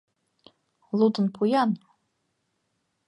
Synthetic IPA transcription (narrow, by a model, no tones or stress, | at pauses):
lutʰɨnpʰujan